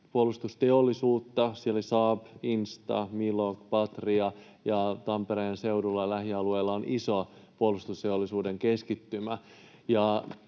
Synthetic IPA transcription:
puolːust̪ust̪e̞olːisuːt̪ːɑsieloisɑːpinst̪ɑ̰milokpɑt̪riɑ | jɑt̪ɑmpeɾejense̞wdulːɑlæhiɑluejlːɑonisoɑ | puolust̪ust̪e̞olːisuːde̞ŋkeskit̪ːymæ | jɑ

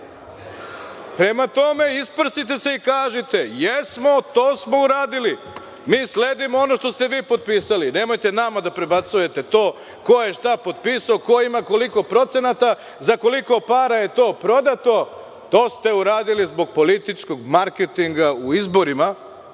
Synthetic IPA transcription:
pɾe̞mat̪o̞me̞ispr̩sit̪e̞seikaːʒet̪e̞jesmo̞t̪o̞ːsmo̞uɾaːd̪ili | miːsle̞ːd̪imoo̞no̞ʃt̪o̞st̪e̞ʋiːpo̞d̪̚piːsaline̞mo̞jt̪e̞namad̪apɾe̞bat̪suje̞t̪e̞t̪o̞ː | ko̞jeʃt̪apo̞d̪̚piːsaoko̞imako̞liko̞pɾo̞t̪se̞nat̪a | zako̞liko̞paːɾajet̪o̞ːpɾo̞d̪at̪o̞ | t̪o̞ːst̪e̞uɾaːd̪ilizbo̞ɡ̚po̞lit̪it͡ʃko̞ɡmaɾket̪iŋɡauizbo̞ɾima

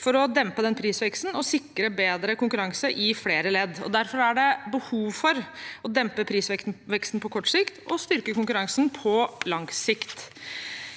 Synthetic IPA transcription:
fɔɾɔd̪ɛmpəd̪ɛnpʰɾiːsʋɛkst̪nɔsɪkːɾəbeːd̪ɾəkʊŋkʉɾɑŋsəʔɪfleːɾəlɛd̪ːɔ̰d̪æɾfɔɾæɖɛbəhuːʋfɔɾɔd̪ɛmpəpʰɾiːsʋɛkt̪n̩ʋɛkst̪n̩pʰɔkʰɔʈːsɪkt̪ɔst̪ʏɾkəkʊŋkʉɾɑŋsnpʰɔlɑŋsɪkt̪

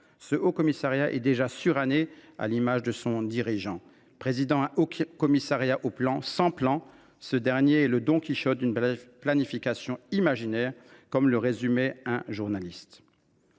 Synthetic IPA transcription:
səʔokɔmisaʁjaʔɛ̰d̪eʒasyʁanea̰limaʒd̪əsɔ̃d̪iʁiʒɑ̃ | pχezid̪ɑ̃okɔmisaʁjaʔoplɑ̃sɑ̃plɑ̃ | səd̪ɛʁnjeɛləd̪ɔ̃kʲiʃɔt̪̚d̪ynplanifikasjɔ̃imaʒinɛʁkɔmləʁezymɛɛ̃ʒuʁnalist̪

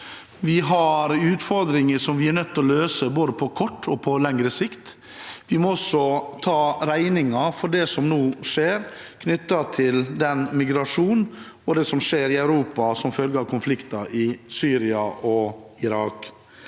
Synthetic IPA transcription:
ʋɪɦɑɾʉːt̪fɔɾd̪ɾɪŋəʂɔmʋɪæɾnœt̪ːɔløːsəboːd̪əpʰɔkʰɔʈːɔpʰɔlɛŋɾəsɪkt̪ | ʋɪmɔɔsːɔt̪ʰɑːɾæɪnɪŋɑfɔɖɛsɔmnuːʂeːɾ | kʰnʏt̪ːɑt̪ʰɪld̪ɛnmɪɡɾɑʂuːn | ɔd̪ɛsɔmʂeːɾɪæœʉɾuːpɑsɔmfœlɡəɾɑʋkʰʊnflɪkt̪ɑʔɪsyːɾɪɑʔɔɪɾɑːk

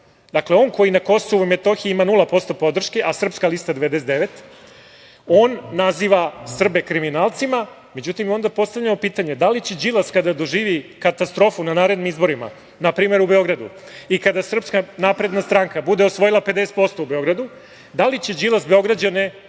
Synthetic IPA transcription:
d̪akleo̞nko̞jinako̞so̞ʋuimet̪o̞xiimanulˠapo̞st̪o̞po̞d̪r̩ʃke̞ʔasr̩pskalist̪ad̪e̞ʋed̪es̬et̪d̪eʋet̪ | o̞ːnːaziːʋasr̩bekɾiminaːlˠt̪sima | me̞d͡ʑut̪imjo̞nd̪apo̞st̪avʎamopiːt̪aɲe̞d̪alit͡ɕed͡ʑilˠaskad̪ad̪o̞ʒiːʋikat̪ast̪ɾo̞ːfunanaːɾe̞d̪nimizbo̞ɾima̰ | napɾiːme̞ɾubeo̞ɡɾad̪ṵ | ikad̪asr̩pskanapɾe̞d̪nast̪ɾaːŋkabud̪e̞o̞sʋo̞jilˠaped̪ese̥t̪po̞st̪o̞ube̞o̞ɡɾad̪u | d̪alit͡ɕe̞d͡ʑilˠazbeo̞ɡɾad͡ʑane

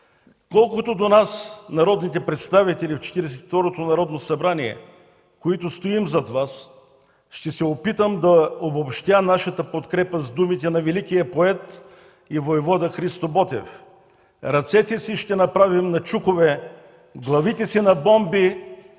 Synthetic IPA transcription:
kɔlˠkot̪od̪onasnɐɾɔd̪nit̪ɛpɾɛt̪st̪avit̪ɛlift͡ʃɛ̥t̪iɾɛs̬ɛ̥t̪i̥ft̪ɔɾot̪onɐɾɔd̪nosɐbɾaniɛ̰ | koit̪ʊst̪oimzɐd̪vas | ʃt̪ɛsɛopit̪əmd̪ɐobopʃt̪ʲanaʃɐt̪əpot̪kɾɛpəzd̪umit̪ɛnɐvɛlikijəpoɛt̪ | ivoɛvɔd̪əxɾist̪obɔt̪ɛ̰f | ɾɐt̪sɛt̪ɛsiʃt̪ɛnɐpɾavimnɐt͡ʃukovɛ | ɡlˠɐvit̪ɛsinɐbɔmbi

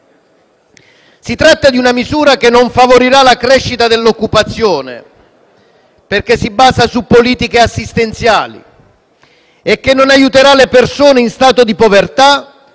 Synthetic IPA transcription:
sit̪ɾat̪ːad̪iunamizuːɾakenːoɱfavoɾiɾalakɾɛʃːit̪ad̪elːokːupat̪sːjoːnḛ | perk̟esːibːaːzasupːoliːt̪ikeasːist̪ent̪sjaːlḭ | ekːenːonajut̪eɾalepersoːneinst̪aːt̪od̪ipovert̪a

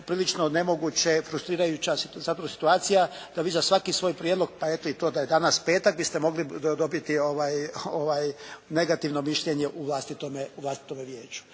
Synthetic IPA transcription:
pɾiːlit͡ʃno̞ne̞mo̞ɡut͡ɕefɾust̪ɾiːɾajut͡ɕasizat̪oɾsi̥t̪uaːt̪sijad̪̥aʋiːzasʋakisʋo̞ːjpɾjed̪lˠo̞ɡ̚pae̞t̪oit̪o̞ːd̪ajed̪anaspe̞ːt̪aɡ̚bist̪emo̞ɡlid̪o̞bit̪ioʋaːjoʋaːjne̞ɡat̪iʋno̞miʃʎeɲe̞ʔuʋlˠast̪it̪omeuʋlast̪i̥t̪o̞meʋjeːt͡ɕu̥

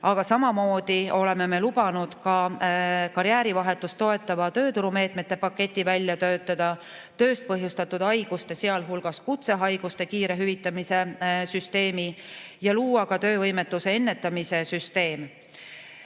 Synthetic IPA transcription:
ɑɡ̥ɑsɑmɑmo̞ːd̪̥io̞le̞me̞me̞lubɑnud̪̥kɑ | kɑɾjæːɾivɑɦe̞t̪ːˑust̪o̞e̞t̪ːˑɑvɑt̪ø̞ːt̪uɾume̞ːt̪ˑmet̪ːe̞pɑkːe̞t̪ʲˑːivælʲːjɑt̪ø̞ːt̪ːˑɑd̪̥ɑ | t̪ø̞ːst̪̚pɤɦjust̪ɑt̪ːˑud̪̥ɑjɡ̥ust̪e̞se̞ɑlɦulɡ̥ɑskut̪se̞ɦɑjɡ̥ust̪e̞kiːɾe̞ɦyvit̪ːˑɑmise̞syst̪e̞ːmijɑluːwɑkɑt̪ø̞ːvɤjme̞t̪ˑːuse̞e̞nːe̞t̪ːˑɑmise̞syst̪e̞ːm

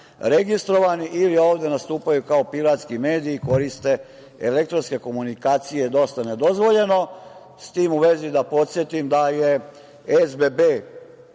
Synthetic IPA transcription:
ɾeɡist̪ɾo̞ʋaniʔilio̞ːʋd̪e̞nast̪uːpajukaopiɾat̪skime̞ːd̪iːko̞ɾist̪e̞ | ele̞kt̪ɾo̞nske̞ko̞munikaːt̪sijed̪o̞st̪ane̞d̪o̞zʋo̞ʎe̞no̞ | st̪iːmuʋe̞zid̪apo̞t̪sʲje̞t̪imd̪aje | ezbebeː

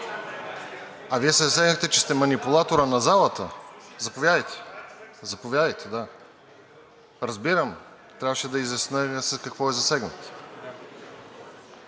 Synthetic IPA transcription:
ɐviɛsɛzɐsɛɡnəxt̪ɛt͡ʃɛ̥st̪ɛmɐnipʊlˠat̪oɾənɐzalˠət̪əzɐpovʲjad̪əjt̪ʰɛ̥zɐpovjad̪əjt̪ʰɛd̪a | ɾəzbiɾəm | t̪ɾʲavəʃɛd̪ɐizjɐsnəsəskɐkvɔɛzɐsɛɡnət̪

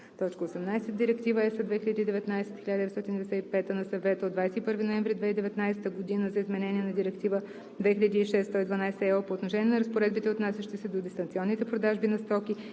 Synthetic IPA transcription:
t̪ɔt͡ʃkəosɛmnajsɛt̪d̪iɾɛkt̪ivəɛsəd̪vɛxiʎʲɐd̪id̪ɛvɛt̪najsɛt̪xilʲʎad̪ɛst̪ɔt̪ind̪ɛsɛipɛt̪ənɐsɐvɛt̪əod̪vajsɛt̪ipɤəɾvinoɛɱvɾid̪vɛid̪ɛvɛt̪najsɛ̥t̪əɡod̪inəzɐizmɛnɛniɛnɐd̪iɾɛkt̪ivə | d̪vɛxilʲʎɐd̪iːʃɛsːt̪oid̪vɐnajsɛɛpoːt̪noʃɛnʲiɛnɐɾəspoɾɛd̪bit̪ɛot̪nasʲjɐʃt̪isɛd̪od̪ist̪ɐnt̪siɔnːit̪ɛpɾod̪aʒbinɐst̪ɔkʲi

